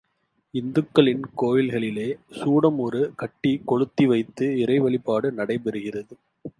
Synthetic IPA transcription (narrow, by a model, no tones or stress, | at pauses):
ɪnd̪ɯkːɐɭɪnkoːjɪlɣɐɭɪleːsuːɽɐmɔɾɯkɐʈːikɔɻɯt̪ːiʋɐɪt̪ːɯɪrɐɪʋɐɭɪpːaːɽɯnɐɽɐɪpɛɾɯɣɪrɐðɯ